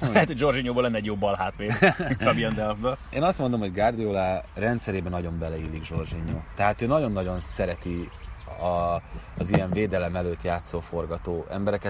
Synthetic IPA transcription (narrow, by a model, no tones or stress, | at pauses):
ɛɦɛt̪hoɟd͡ʒo̞rd͡ʒiɲoːbolɛnːɛɟjoːbɒlhaːt̪ʋeːɒmijɛnd̪ɛlvbɛḛːnɒst̪mond̪o̞mhoɟɡard̪ijoːlaːrɛnt̪sɛɾeːbɛnɒɟo̞mbɛlɛilːiɡʒo̞rʒiɲːoːt̪ɛɦaːt̪øːnɒɟo̞nːɒɟo̞nsɛɾɛt̪i | ɒː | zijɛɱveːd̪ɛlɛmɛløːt̪jaːt̪soːfo̞rɡɒt̪oːɛ̰mbɛɾɛkɛ